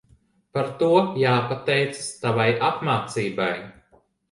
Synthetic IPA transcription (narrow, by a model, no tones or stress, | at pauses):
paɾt̪uɔjaːpat̪ɛjt̪sɨ̥st̪avajʔapmaːt̪siːbaj